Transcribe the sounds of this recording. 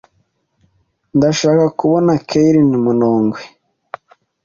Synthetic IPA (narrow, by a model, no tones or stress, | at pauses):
ndaʃaːkakuβonakʰeiɾinimunoːŋɡwe